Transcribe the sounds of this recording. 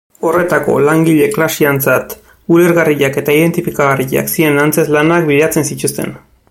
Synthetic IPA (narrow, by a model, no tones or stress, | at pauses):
o̞re̞t̪ako̞̰laŋɡiʎe̞klasiant͡sat̪ | uleɾɣariʎake̞t̪aið̞e̞nt̪ifikaɣariʎa̰ksie̞nant͡se̞zlanakbiðeat͡se̞nsit̪ust̪e̞̰n